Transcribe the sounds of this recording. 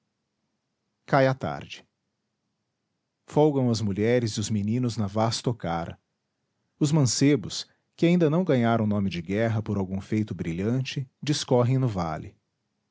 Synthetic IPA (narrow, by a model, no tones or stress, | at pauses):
kajat̪a̰ɾd͡ʒɪ̥ | fowɡɐ̃w̃ɐzmuʎɛɾɪzɪʊzminĩnʊznɐvast̪okaɾɐ̰ | ʊzmɐ̃sebʊs | kɪaĩnd̪ɐnɐ̃w̃ɡɐ̃ɲaɾɐ̃w̃nõmɪd͡ʒɪɡɛɦɐpoɾawɡũfejt̪ʊbɾiʎɐ̃t͡ʃɪd͡ʒɪskɔɦẽj̃nʊva̰lɪ̰